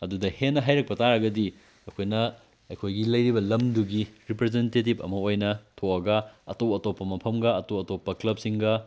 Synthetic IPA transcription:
ɐdudɐhenːɐɦajɾɐk̚pɐtʰaɾɐɡɐdi | ɐkʰojnɐ | ɐjkʰojɡilɐjɾibɐlɐmduɡiɾipɾezentetibɐ̰mɐojnɐtʰoɐɡɐɐ̰towɐtopːɐmɐpʰɐmɡɐɐtowɐtopːɐklɐp̚siŋɡɐ

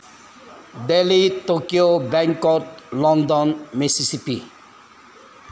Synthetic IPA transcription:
d̪elitokiobɛŋkɔtlɔnd̪ɔnmisisipḭ

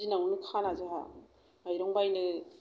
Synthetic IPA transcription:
inawnɯkʰanazɯɦa̰ | ajɾɔŋbajnɯ

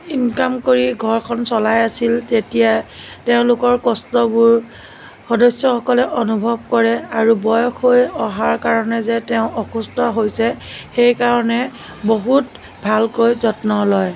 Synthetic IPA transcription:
inkamkoɹiɡʱɔɹkʰɔnsɔlajasiltetijateʊ̃lʊkɔɹkɔstɔbʊɹ | xɔdɔsjɔxɔkɔlɛʔonubʱɔb̚kɔɹɛaɹubɔjɔxojɔɦaɹkaɹɔnɛzɛteʊ̃ʔɔxustɔɦojsɛxejkaɹɔnɛ | boɦut | bʱalkojzɔtnɔlɔj

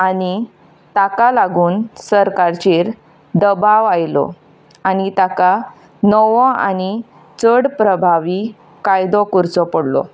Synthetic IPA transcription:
ani | t̪akalaɡuːnsəɾkaɾt͡ɕeːɾ | d̪əbaʋajlɔ̰ | añit̪aka | nɔʋɔ̃a̰ñi | t͡səɽpɾəbʱaʋi | kajd̪ɔkuɾt͡sɔpəɽlɔ̰

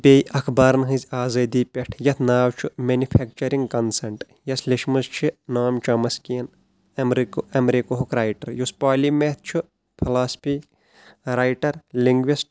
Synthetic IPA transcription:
pʲejʔɐkʰbaːɾnɦɨ̃zʲaːzɐːd̪iːpʲeʈʰjɐt̪ʰnaːwt͡ʃʰumenupʰek̚t͡ʃɐɾiŋɡkɐnsɐɳʈ | jɐsliʃmɨzt͡ʃʰinaːmt͡ʃɐmɐskijɐn | ɐmɾikɐmɾikoɦukʰɾaːjʈɐɾjuspaːlimet̪̚ʰt͡ʃʰu | pʰilaːspʰiː | ɾaːjʈɐɾliŋɡʋisʈ̚

